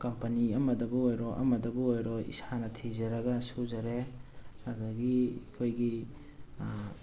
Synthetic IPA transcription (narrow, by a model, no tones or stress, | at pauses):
kɐmpɐniɐmɐdɐbuojɾɔʔɐ̰mɐdɐbuojɾɔḭsanɐtʰizɐɾɐɡɐsuzɐɾeaɡɐɡikʰojɡi